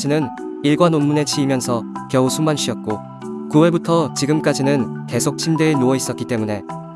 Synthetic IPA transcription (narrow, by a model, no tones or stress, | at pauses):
d͡ʑinɯniɭɡwanonmune̞t͡ɕʰiimjʌnsʰʌkjʌusʰumanɕʰɥiʌt̚k͈o | kuweɭbutʰʌt͡ɕiɡɯmk͈ad͡ʑinɯnke̞sʰok̚t͡ɕʰimde̞ːnoʌis͈ʌt̚k͈it͈e̞mune̞